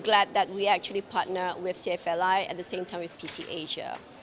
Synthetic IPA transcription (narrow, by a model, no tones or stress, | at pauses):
ɡlæd̪̚dɛt̚wiæk̚t͡ʃuəlipʰat̚nəwɪθsiɛfɛlaɪɛ̰t̚dəsẽmtʰãɪ̃mwɪθpʰisiʔeʒə̰